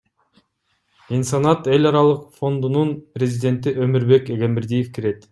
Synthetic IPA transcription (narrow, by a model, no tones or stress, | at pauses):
insɑnɑt̪e̞lʲɑɾɑlˠɯqfo̞nd̪ununprʲezʲid̪ʲe̞nt̪iʔø̞miɾbe̞keɡemɪɾd̪ijefkʰiɾe̞t̪